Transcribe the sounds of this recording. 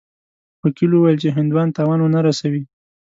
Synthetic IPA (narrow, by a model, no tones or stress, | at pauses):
wakilwuwajəlt͡ʃeɦɪnd̪wɑnt̪ɑwɑnwonaɾasawi